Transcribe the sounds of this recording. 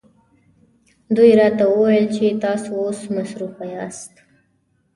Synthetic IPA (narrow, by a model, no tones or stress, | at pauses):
d̪ujɾɑt̪awəwajəlt͡ʃet̪ɑsoosmasɾufajɑst̪